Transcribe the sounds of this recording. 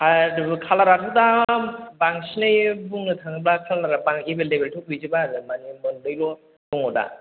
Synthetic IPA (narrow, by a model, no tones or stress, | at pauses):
haɾkʰalaɾaɾʰudabaŋsinɯjbuŋnɯtʰaŋɯblakʰalaɾabaŋebelebeltʰɔk̚ɯzibaɾɯmanimɔndɯjlɔ | dɔŋɔda̰